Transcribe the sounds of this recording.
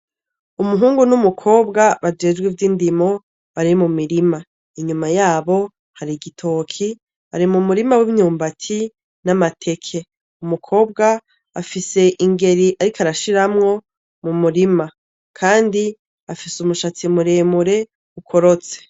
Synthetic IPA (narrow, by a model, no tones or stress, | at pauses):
umuɦuːŋɡunumukʰo̞ːbɡaβad͡ʒe̞ːd͡ʒɡwivjiːndimo̞ | βaɾimumiɾima | iɲumajaːβo̞ | haɾiɡitʰo̞kʰi | βa̰ɾimumuɾimawiβɲuːmbatʰi | namatʰe̞kʰe̞ | umukʰo̞ːb̚ɡaː | fise̞ʔiŋɡe̞ɾiʔaɾikʰaɾaʃiɾamŋo̞ | mumuɾima | kʰaːndi | afisumuʃat͡simuɾe̞ːmuɾe̞ | ukʰo̞ɾot͡se̥